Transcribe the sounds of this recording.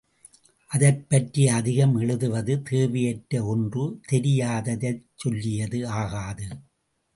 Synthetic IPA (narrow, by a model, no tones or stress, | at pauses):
ʔɐðɐpːɐʈɾijɐːðɪɣɐmɛɻɯðɯʋɐðɯt̪eːʋɪjɛʈːɐɔndrɯt̪ɛɾɪjaːðɐðɐt͡ʃsɔlːɪjɐðɯaːɣaːðɯ